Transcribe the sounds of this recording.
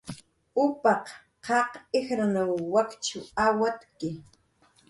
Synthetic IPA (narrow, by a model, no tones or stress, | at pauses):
ʊpɑq | qɑqɪxɾanawwakt͡ʃʊawat̪kɪ